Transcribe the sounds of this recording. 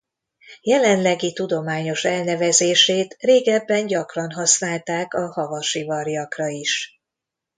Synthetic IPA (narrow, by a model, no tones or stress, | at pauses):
jɛlɛnlɛɡit̪ud̪o̞maːɲo̞ʃɛlnɛvɛzeːʃeːt̪reːɡɛbːɛnɟɒkrɒnɦɒsnaːlt̪aːkɒhɒvɒʃivɒrjɒkrɒiʃ